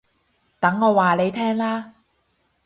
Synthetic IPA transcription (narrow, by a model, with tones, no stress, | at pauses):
t̪ɐ˨˥ŋːɔː˨˧waː˨le˨˧jt̪ʰɛː˥ŋlaː˥